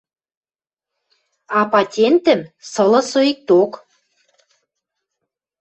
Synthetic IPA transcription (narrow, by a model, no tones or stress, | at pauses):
ɑpɑtʲent̪ə̆msɤ̆lɤ̆soik̚t̪ok